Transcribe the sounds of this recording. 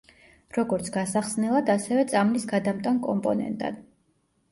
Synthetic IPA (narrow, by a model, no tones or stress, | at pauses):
ɾɔɡɔɾt̪sʰɡ̥asaχsnɛlˠad̪asɛvɛt̪sʼamlisɡad̪amt̪ʼankʼɔmpʼɔnɛ̰nt̪ʼa̰d̪̥